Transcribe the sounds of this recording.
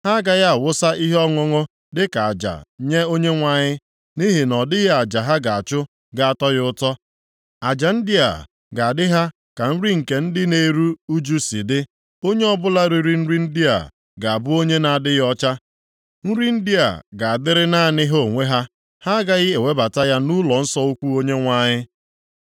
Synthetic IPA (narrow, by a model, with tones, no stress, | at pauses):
ha˦ɡa˦ɣa˨wʊ˦sa˦i˦ɦɔ˦ŋʊ˦ŋʊ˦ | dɪ˦ka˨a˨d͡ʒa̰˨ɲe˦o˦ɲe˦ŋʷa˨ɲɪ˦ | ni˦ɦɪ˨nɔ˨dɪ˦ɦe˦a˨d͡ʒa˨ɦa˦ɡa˨a˨t͡ʃʊ˦ | ɡa˨a˨tɔ˦ɣʊ˦tɔ˦ | a˨d͡ʒa˨n̩˦di˦a̰˨ | ɡa˨a˨dɪ˦ɦa˦ | ka˨n̩˦ɾi˦ŋ̩˨ke˨n̩˦dɪ˦ne˦ɾu˦u˦d͡ʒu˦si˨dɪ˦ | o˦ɲe˦ɔ˦bʊ˦la˦ɾi˨ɾi˦n̩˦ɾi˦n̩˦di˦a̰˨ | ɡa˨a˨bʊ˦o˦ɲe˦na˨a˨dɪ˦ɣɔ˦t͡ʃa˦ | n̩˦ɾi˦n̩˦di˦a̰˨ɡa˨a˨dɪ˦ɾɪ˦na˦˨nɪ˦ɦo˦˨ŋʷe˦ɦa˦ | ha˦a˦ɡa˦ɣɪ˦e˨we˦ba˨ta˦ja˦nu˦lɔ˨n̩˦sɔ˦u˦kʷu˦o˦ɲe˦ŋʷa˦ɲɪ˦